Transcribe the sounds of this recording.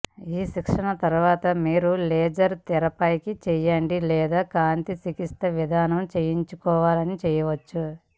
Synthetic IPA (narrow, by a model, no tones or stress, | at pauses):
iːʃikʂɐɳɐt̪ɐɾuʋaːt̪ɐmiːɾulɛːd͡ʒɐɾt̪ɛɾɐpɐjkit͡ʃɛjɐɳɖilɛːd̪aːkaːnt̪isikist̪ɐʋid̪ʱaːnɐmt͡ʃejiɲt͡ʃukɔːʋaːlɐnit͡ʃɛːjɐʋɐt͡ʃːu